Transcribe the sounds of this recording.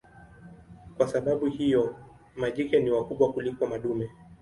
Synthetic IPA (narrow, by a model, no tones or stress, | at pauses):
kwasaɓaɓuhijɔ | maʄikɛniwakuɓwakulikɔmaɗumɛ